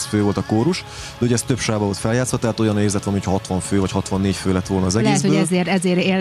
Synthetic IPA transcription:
sføːvo̞lt̪ɒkoːɾuʃ | d̪ɛɦojɛst̪ø̞pʃaːbɒvolt̪fɛljaːt̪sʋɒt̪ɛɦat̪o̞jɒneːrzɛt̪lɛnmiho̥cʰɒɦɒt̪ʋɒɱføːvɒchɒt̪ʋɒnːeːcføːlɛt̪ːʋo̞lnɒːzɛlɡɛeːtzhøːɛlzeːrɛzeːɾe

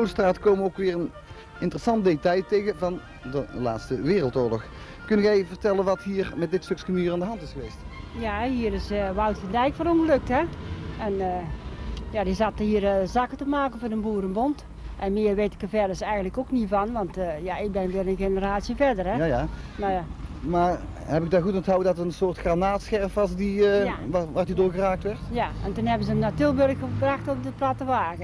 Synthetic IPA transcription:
owtstraːtəkoːməowkʋɪːrən | ɪntərəsɑntdetɑjtejɣəvɑn | dəla̰ːtstəʋɪːrəlˠtoːɹlɔx | kɵntɣɛjvərtɛlənʋɑtɦiːɹmɛt̚dɪtstøkskənyːraːndəɦɑntɪsxəʋejstjaɦiːəɾɪsəʋawtfəndɛjkfɔnoŋɡəløk̚ɦɛɛn | jadizathiərzakətəmaːkənvoːdənbuːəɾənbont | ʔɛnmɪərʋeːtɪ̥kəvɛdəsɛjɣən̩tləkoknivɑnʋɑntjaɪk̚bɛnʋɪlənxenəraːtsjəvɛrdərɛ | mamaːr | hɛbɪɡ̚daɣutnthawədɑtəənsoːrtxranaːtsxɛrfʋɑsdi | ʋaːrdidoːɹɣəraːk̚tʋɛrtjaɛntunhɛbənzəənatɪlˠbørkxəbraxtop̚dəplatəʋaːɣə

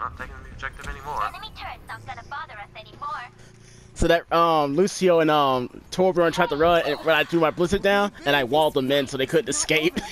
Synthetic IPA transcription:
nətʰeɪkɪ̃ŋðib̚d͡ʒɛk̚tɨvɛnimɔɹlɛmitʰɜnə̃ɡʌnəbɑðə˞ʌsɛnimɔɹ | soʊðɨt̚ʌ̃mlʉsioʊɨ̃nʌ̃mtʰɔɹbɹõntʰɹ̥aɪd̚tʰɨɹʌ̃nɨ̃nwə̃naɪdɹʉmaɪblɪzɨt̚dãʊ̃nɨ̃ɾ̃aɪwɔlˠd̪̚ðəmɛ̃nsoʊðeɪkʰʊdⁿn̩tɨskeɪp̚

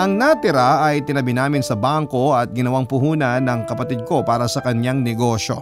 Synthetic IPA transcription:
ʔɐŋnɐt̪ɪɾaʔɐjt̪ɪnɐbɪnaːmɪnsɐbaŋko̞ɐt̪̚ɡɪnɐwaŋpʊɦuːnɐnːɐŋkɐpɐt̪id̪̚ko̞paːɾɐsɐkɐɲjaŋnɛɡo̞ʃo̞̰

